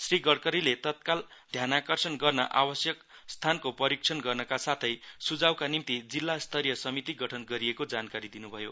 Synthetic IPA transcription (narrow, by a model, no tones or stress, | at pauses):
sriɡʌɽkʌɾilet̪ʌt̪̚kald̪ʱjanakʌrsʌnɡʌrnʌʔabʌsjʌk | st̪ʰankopʌɾik̚t͡sʰʌnɡʌrnʌkasat̪ʰʌjsud͡zawkanimt̪id͡zilːast̪ʰʌɾjʌsʌmit̪iɡʌʈʰʌnɡʌɾiekod͡zankaɾid̪inubʱʌjo